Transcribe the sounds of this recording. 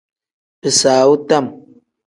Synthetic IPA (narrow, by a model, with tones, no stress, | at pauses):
pɨ˨saː˨u˦ta˦˨m